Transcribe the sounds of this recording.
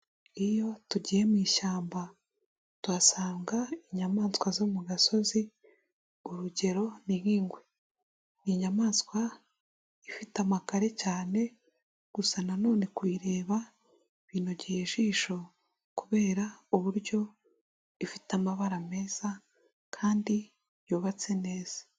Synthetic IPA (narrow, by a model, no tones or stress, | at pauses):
ijo̞tuɟije̞mwiːʃaːmba | tuasaːŋɡaiɲamaːnskwazoːmuɡaso̞zi | uɾuɟe̞ɾo̞niiːŋɡwe | niɲamaːnskwa | ifitamakaɾe̞caːne̞ | ɡ̥usanano̞ːne̞kwiːɾe̞ːβa | βiːno̞ɟijeʃiːʃo̞ | kuβe̞ːɾauβuɾɟo̞ | ifitamaβaɾame̞ːz̥a | kʰaːndi | juːβat͡se̞ne̞ːz̥ḁ